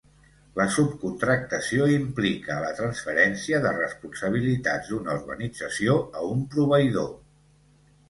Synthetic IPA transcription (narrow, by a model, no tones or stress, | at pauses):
ləsup̚kunt̪ɾək̚t̪əsioimplikələt̪ɾənsfəɾɛnsiəðərəspunsəβ̞ilit̪ad͡zd̪unəuɾɣə̰nid͡zəsioəumpɾuβ̞əiðo